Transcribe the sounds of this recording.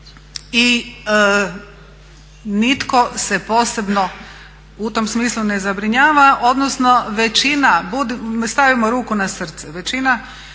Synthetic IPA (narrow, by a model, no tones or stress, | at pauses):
i | nit̪ko̞se̞po̞ːse̞bno̞ | ut̪o̞msmiːslˠune̞zabɾiɲaːʋaʔo̞d̪nosno̞ʋe̞t͡ʃinabud̪ist̪aʋimoɾuːkunasr̩t̪sɛʋe̞t͡ʃina